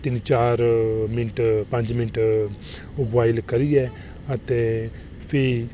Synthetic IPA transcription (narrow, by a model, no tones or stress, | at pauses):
t̪ɪnt͡ʃaːɾmɪnʈpɐ̃ɲd͡ʒmɪnʈ | baːɪlkəɾiɛː | ət̪eː | pʰɪ